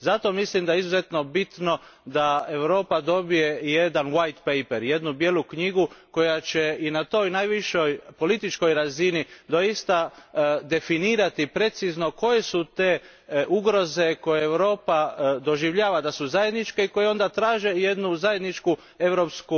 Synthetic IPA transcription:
zat̪o̞mislimd̪ajeizuze̞t̪no̞bit̪no̞d̪aeʋɾo̞ːpad̪o̞bije̞je̞d̪anʋajt̪pejpeɾje̞d̪nubje̞lukɲiɡuko̞jat͡ʃe̞inat̪o̞jnajʋiʃojpo̞lit̪it͡ʃko̞jɾazinid̪o̞jist̪ad̪e̞finiːɾat̪ipɾe̞t̪sizno̞ko̞je̞sut̪e̞ | ʔuɡɾo̞ze̞ko̞jeeʋɾo̞ːpad̪o̞ʒiʋʎaːʋad̪asuzaje̞d̪nit͡ʃkeiko̞jeo̞nd̪at̪ɾaːʒe̞je̞d̪nuzaje̞d̪nit͡ʃku | e̞ʋɾo̞ːpsku

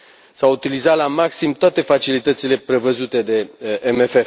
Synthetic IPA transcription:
saut̪ilizalamaksimt̪oat̪e̞fat͡ʃilit̪ət̪sile̞pɾe̞vəzut̪e̞d̪e̞ʔemefef

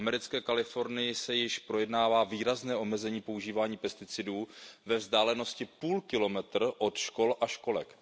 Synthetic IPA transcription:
amɛɾɪt͡skɛːkalɪfo̞ɾnɪjɪsɛjɪʃpɾo̞jɛdnaːvaːviːɾaznɛːʔo̞mɛzɛɲiːpo̞uʒiːvaːɲiːpɛst̪ɪt͡sɪduːvɛvzdaːlɛno̞scɪpuːlkɪlo̞mɛt̪r̩ʔo̞t̪ʃko̞lʔaʃko̞lɛ̰k

